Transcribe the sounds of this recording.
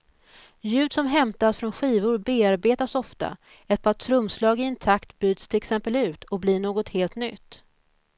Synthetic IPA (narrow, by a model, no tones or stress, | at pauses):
jʉ̟ːd̪sɔmɦɛmt̪asfɾɔnɧiːvʊɾbeːaɾbeːt̪asɔft̪a̰ | ɛt̪̚pʰɑat̪ʰɾɵmːslɑːɡɪɪnt̪ʰakt̪byːd̪st̪ʰɪlɛksɛmpəlʉ̟ːt̪ʰɔk̚blɪɳoːɡɔt̪heːlt̪nʏt̪ː